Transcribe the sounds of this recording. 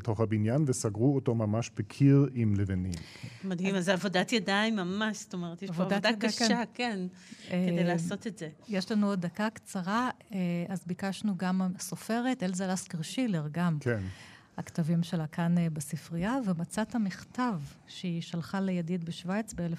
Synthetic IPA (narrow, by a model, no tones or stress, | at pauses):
beto̞χabinjanvesaɡʁuotomamaʃbekʰiʁimlevenim | mad̪himazavodat̪jadaimːamaʃst̪omeʁeteaʃvodad̪adkaʃkaken | ekedejlaːsot̪etzejeʃlanuodakakt͡saʁaeazbikaʃnuɡamsofe̞ʁetelzalaskiʁʃileʁɡamken | haktavimʃelakʰanbesifʁijavemat͡sat̪hamiχtavʃeiʃalχalejadid̪beʃvajt͡sbeelef